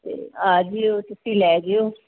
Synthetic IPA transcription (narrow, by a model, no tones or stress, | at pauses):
t̪ḛːaːd͡ʒioːt̪ʊsiːlɛːd͡ʒioː